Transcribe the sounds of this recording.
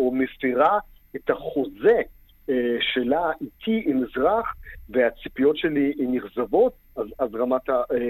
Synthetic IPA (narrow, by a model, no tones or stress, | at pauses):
omesfiʁa | et̪haχo̞ze | ʃelaʔitʰiimizʁaχveat͡si̥pijo̞tʃeliniχzavo̞t̪ | azazʁamat̪a